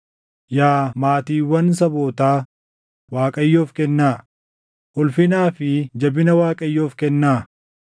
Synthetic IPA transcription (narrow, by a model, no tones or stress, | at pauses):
jaːmaːt̪iːwːɐns̬ɐbo̞ːt̪aː | waːkʼɐjːoːfkɛnːaː | ʔʊlfɪnaːfɪd͡ʒɐbɪnɐwaːkʼɐjːoːfkɛnːaː